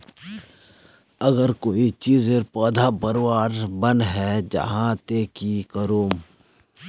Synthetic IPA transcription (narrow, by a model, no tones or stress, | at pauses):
əɡəɾkoːit͡ʃiːzepɔːd̪ʱabəɾwaːɾbənɦɛːd͡ʒɐ̰ɦãt̪eːkikəɾoːm